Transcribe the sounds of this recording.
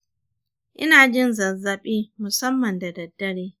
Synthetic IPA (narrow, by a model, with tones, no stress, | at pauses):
ʔɪ̰˦naː˨d͡ʒɪ˦nzɐ˨zɐ˨ɓiː˦mʊ˨sɐ˦mːɐ˨ndɐ˨dɐ˨dːɐ˦ɽeː˦